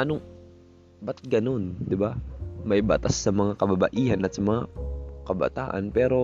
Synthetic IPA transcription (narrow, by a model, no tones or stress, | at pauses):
ʔɐnoŋ | bɐt̪̚ɡɐno̞nd̪ɪbamɐjba̰t̪asːɐmɐŋakɐbabɐ̰ʔiːhɐnʔɐt̪sɐmɐŋakɐbɐ̰t̪a̰ːʔɐ̰npɛːɾo̞